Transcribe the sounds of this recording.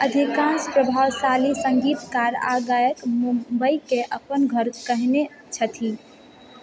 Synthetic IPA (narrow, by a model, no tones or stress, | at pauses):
əd̪ʱikãnspɾəbʱawsalisəŋɡit̪kaɾa̰ɡajəkmumbəikeʔəpənɡʱəɾkəɦne | t͡ʃʰət̪ʰi